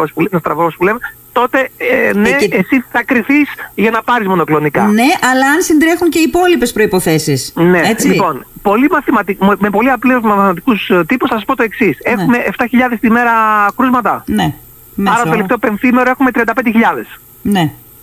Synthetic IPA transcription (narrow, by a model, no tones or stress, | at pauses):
ospulnɐst̪ɾɐvoospulemet̪o̞t̪e̞neesiθɐkɾiθisʝɐnɐpɐɾizmo̞no̞klo̞nikɐ̰neʔɐlɐɐnsind̪ɾe̞xuŋce̞ipo̞lipespɾo̞ipo̞θe̞sisne̞et͡slipo̞npo̞limɐθimɐt̪imme̞po̞liɐplezmɐθmɐt̪i̥kust̪ipusθɐsɐspo̞t̪oe̞ksise̞xume̞ʔeft̪ɐçiʎɐðest̪ime̞ɾɐkɾuzmɐt̪ɐne | mɐɾɐt̪oelipt̪ope̞nθimeɾoe̞xume̞t̪ɾiɐnd̪ɐpend̪çiʎɐðe̞s | ne